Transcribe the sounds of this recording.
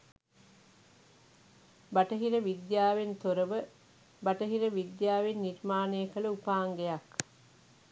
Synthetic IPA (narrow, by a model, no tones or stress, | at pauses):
baʈəɦiɾəʋid̪jaːʋent̪oɾəʋə | baʈəɦiɾəʋid̪jaːʋenːiɾmaːnejːkələupaːŋɡejak